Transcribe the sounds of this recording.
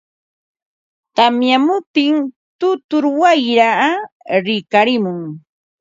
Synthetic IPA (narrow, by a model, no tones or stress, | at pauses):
t̪amjamʊt̪ɪŋ | t̪ʊt̪ʊɾwajɾa | ɾɪkaɾɪmʊŋ